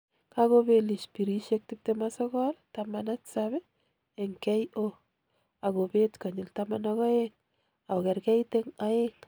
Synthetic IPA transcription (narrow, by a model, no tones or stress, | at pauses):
kaɣobeliʃpiɾiʃek̚t̪ip̚t̪emasɔɣɔlt̪amanatsaβe | eŋkɛjo | aɡobet̪kaɲilt̪amanaɣɔeŋ | aɡɛɾkɛjt̪eŋaeŋ